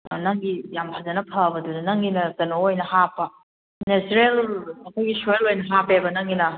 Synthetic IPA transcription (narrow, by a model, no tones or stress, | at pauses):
nɐŋɡijamhʰazɐnɐpʰɐbɐdudɐnɐŋɡinɐkɐnoojnɐhapːɐ | nesɾelɐkʰojɡisojelojnɐɦapebɐnɐŋɡinɐ